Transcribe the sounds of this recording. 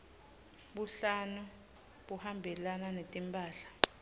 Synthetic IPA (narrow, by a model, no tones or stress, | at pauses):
ɓuɬanu | ɓuhambʱɛlananetʼimpʼaːɬḁ